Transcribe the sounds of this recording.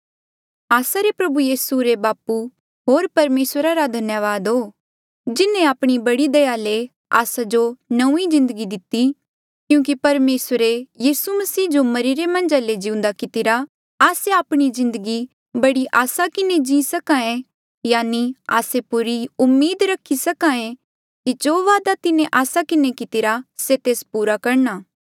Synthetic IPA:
aːsaɾepɾɐbujiːsuɾebaːpu | ɦoːɾpɐɾmeːsɾaɾad̪ʱɐnjəʋaːd̪ɦoː | d͡ʒɪnẽaːpɽ̃ibɐɽid̪ɐjale | a̰ːsad͡ʒonɐũizɪ̃nd̪əɡid̪ɪt̪i | kjũːk̬ipɐɾmeːsəɾejiːsumɐsiːd͡ʒomɐɾiɾemɐ̃nd͡ʒaled͡ʒɪ̃ũnd̪akɪt̪ɪɾa | aːseaːpɽ̃izɪ̃nd̪əɡi | bɐɽiʔaːsakɪned͡ʒĩsɐkãẽ | jaːnia̰ːsepʊɾiʊmːeːd̪ɾɐkʰːisɐkãːẽ | kid͡ʒoːʋaːd̪at̪ɪnẽʔaːsakɪnekɪt̪ɪɾaset̪eːspuːɾakɐɾnaː

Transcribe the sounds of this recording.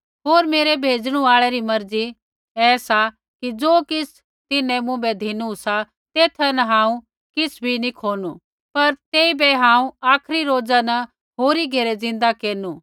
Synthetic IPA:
ɦoːɾmeːɾɛbʱeːd͡zɽ̃uaːɭɛɾimɐɾd͡zi | ɛːsa | kid͡zoːkɪsʰ | t̪ɪnɛ̃mʊ̃bɛd̪ʱinusa | t̪eːt̪ʰɛnɐɦãːũ | kɪsʰbʱinikʰoːnu | pɐɾt̪eːibɛɦãːũaːkʰɾiɾoːd͡zanɐ | ɦoːɾiɡʱeːɾɛd͡zɪ̃nd̪akeːɾnuː

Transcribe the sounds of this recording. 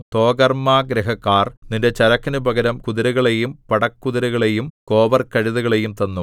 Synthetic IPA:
t̪o̞ːɡɐrmaːɡɾɐɦɐkːaːrninde̞t͡ɕɐɾɐkːɐnubɐɡɐɾɐmkuðiɾɐɣɐɭe̞jumpɐɽɐkːuðiɾɐɣɐɭejumko̞ːbɐrkːɐɻiðuɣɐɭe̞jumt̪ɐnːu

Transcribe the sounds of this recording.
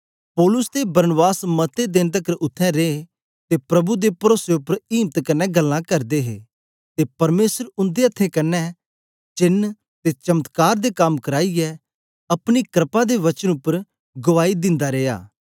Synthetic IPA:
pɔːlʊst̪ebɐɾənbaːsmɐt̪ed̪ẽnt̪əkəɾʔʊt̪ʰːɛ̃ɾe | t̪epɾɐbud̪epɐɾoːseʊpːəɾiːmt̪kɐnːɛɡɐlːãkɐɾd̪eɦḛː | t̪epɐɾmeːsəɾʊnd̪eɐt̪ʰːẽkɐnːɛ | t͡ʃɪn | t̪et͡ʃɐmət̪kaːɾd̪ekamkɐɾaːiɛ | ɐpɽ̃ikɾɪpãd̪eʋɐt͡ʃənʊpːəɾ | ɡʊʋaːid̪ɪ̃nd̪aɾeːja̰ː

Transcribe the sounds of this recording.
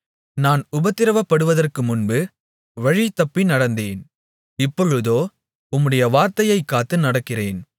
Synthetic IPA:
naːnʊbɐt̪ːɪɾɐʋɐpːɐɽɯʋɐðɐrkɯmʊnbɯ | ʋɐɻit̪ːɐpːinɐɽɐnd̪eːn | ɪpːɔɻɯðoː | ʊmːɯɽɐjɐʋaːɾt̪ɐjɐɪkːaːt̪ːɯnɐɽɐkːɪreːn

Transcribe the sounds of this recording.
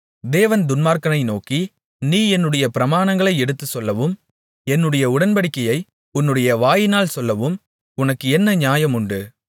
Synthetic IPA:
d̪eːʋɐnd̪ʊnmaːɾkɐnɐɪnoːki | niːɛnːɯɽɐjɐpɪɾɐmaːnɐŋɡɐɭɐɪɛɽɯt̪ːɯsɔlːɐʋɯm | ɛnːɯɽɐjɐʊɽɐnbɐɽɪkːɐjɐɪ | ʊnːɯɽɐjɐʋaːjɪnaːlsɔlːɐʋɯm | ʊnɐkːɯɛnːɐɲaːjɐmʊɳɖɯ

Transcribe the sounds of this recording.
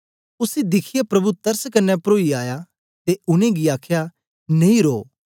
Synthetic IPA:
ʊsid̪ɪkʰɪjapɾɐbut̪ɐɾskɐnːɛpɾoːiaːja | t̪eʊnẽɡiaːkʰja | nẽĩɾoː

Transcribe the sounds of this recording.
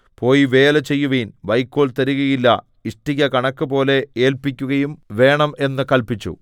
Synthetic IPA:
po̞ːjiʋeːlɐt͡ɕe̞jːuʋiːnʋɐjkːoːɭt̪ɐɾiɣɐjilːɐ̰ | iʂʈiɣɐkɐɳɐkːɨpo̞ːle̞eːlpikʲːuɣɐjumʋe̞ːɳɐme̞nːɨkɐlpit͡ɕːṵ

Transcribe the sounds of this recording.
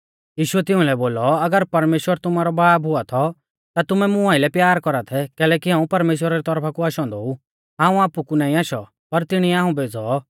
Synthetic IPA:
jiːʃʊɛt̪ɪ̃ũlɛboːlɔɐɡəɾpɐɾmeːʃwəɾt̪ʊmaːɾɔbaːbɦʊat̪ʰɔ | t̪at̪ʊmɛmʊ̃aːɪlɛpjaːɾkɔɾat̪ʰɛkɛːlɛːkiɦãːũpɐɾmeːʃ̬wəɾaɾit̪ɔɾpʰakuaːʃɔ̃nd̪ɔu | ɦãːũaːpukunaːĩaːʃɔ | pɐɾt̪ɪɽ̃iɛaːɦũbeːd͡zɔ

